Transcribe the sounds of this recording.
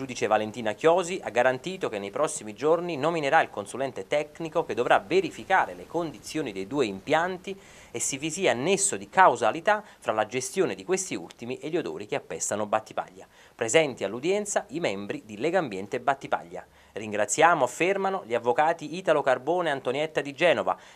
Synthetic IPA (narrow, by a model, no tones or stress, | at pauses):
d͡ʒuːd̪it͡ʃevalent̪iːnakjɔːziʔaɡːaɾant̪iːt̪ok̟enːejpɾɔsːimid͡ʒorninomineɾailkonsulɛnt̪et̪ɛknikoked̪ːovɾaveɾifikaːɾelekond̪it̪sːjoːnid̪ejd̪uːeimpjant̪i | esːivisianːesːod̪ikawzalit̪a | fɾalad͡ʒest̪joːned̪ikwest̪iṵlt̪imiʔeʎːiod̪o̰ːɾikeapːɛst̪ːanobat̪ːi̥pa̰ʎːa | pɾezɛnt̪ialːud̪jɛnt̪saʔimɛmbɾid̪ilɛɡambjɛnt̪ebːat̪ːipa̰ʎːa̰ | riŋɡɾat̪sːjaːmoafːermanoʎiavːokaːt̪iit̪alokarboːneant̪onjɛt̪ːad̪id͡ʒɛːnova̰